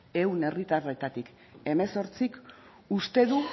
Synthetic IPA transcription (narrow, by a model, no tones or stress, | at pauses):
e̞wne̞rit̪are̞t̪at̪ik | e̞me̞so̞ɾt͡sik | ust̪e̞ðu